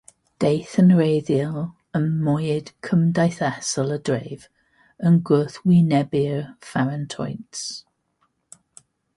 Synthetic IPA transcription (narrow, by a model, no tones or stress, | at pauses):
d̥ejθənɹejðiəl | ənmɔjɪd̥kʰəmdajθɛsələdɹeɪv | ənɡʊθwinɛbiəfaɹəntʰɔjts